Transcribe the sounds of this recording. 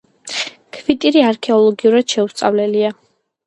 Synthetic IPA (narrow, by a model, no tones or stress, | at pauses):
kʰvit̪ʼiɾiaɾkʰɛɔlˠɔɡiuɾad̪̥ʃɛust̪sʼa̰vlɛlia